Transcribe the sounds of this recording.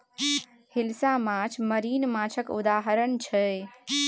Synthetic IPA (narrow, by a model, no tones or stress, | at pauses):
hilsamãt͡ʃʰməɾinmãt͡ʃʰəkṵd̪aɦəɾəɳt͡ʃʰə